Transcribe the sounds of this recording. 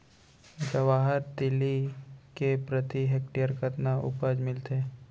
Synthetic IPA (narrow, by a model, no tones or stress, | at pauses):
d͡ʒɐʋaːɦəɾt̪ɪlikepɾət̪iɦek̚ʈijəɾkət̪naʔʊ̰pəd͡ʒmɪlt̪eː